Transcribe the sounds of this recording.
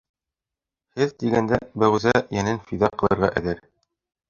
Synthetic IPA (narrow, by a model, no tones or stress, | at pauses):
hɘðt̪iɡænd̪æbæʁɘzæjænɘnfiðɑqɤ̆lˠɤ̆ɾʁɑ̰ʔɘ̆ðɘɾ